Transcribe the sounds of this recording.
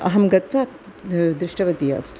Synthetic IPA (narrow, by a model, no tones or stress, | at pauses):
ɐ̰ɦɐmɡɐt̪ʋaː | d̪ɾɪʂʈɐʋɐt̪ija̰ːt̪